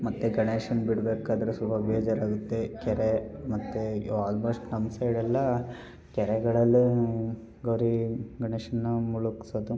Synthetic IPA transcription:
mɐt̪ːeɡɐɳeːʂɐnbiɽbeːkaːd̪ɐɾusubʱɐbeːd͡ʒɐɾaːɡut̪ːekɛɾemɐt̪ːeaːlbɐʂʈnɐmsɐiɽɛlːɐ | kɛɾɛɡɐɭɐlːi | ɡɐwɾiɡɐɳeːʂɐnːumuɭuksɐd̪u

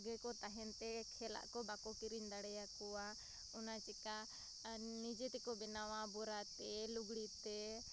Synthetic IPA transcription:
ɡɛkɔt̪aɦɛnt̪ɛkʰɛla̰ʔkɔbakɔkiɾiɲd̪aɽɛjakɔwa | ɔnat͡ʃɛka | nid͡ʒɛt̪ɛkɔbɛnawabɔɾat̪ɛluɡɽit̪ɛ

